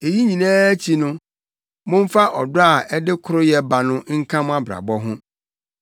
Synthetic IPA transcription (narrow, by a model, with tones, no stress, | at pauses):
e˨ji˦ɲĩ˨nɛ̃ː˦t͡ɕʰi˨nʊ̃˦ | mʊ̃˦m̩˦fa˦ʔɔ˨dʊ˦a˨ɛ˦dɪ˦kʰʊ˦ɾʊ˦jɛ˦ba˨nʊ̃˦ŋ̩˦kʰã˦m˦a˦bɾa̰˨bɔ˦ɦʊ̃˦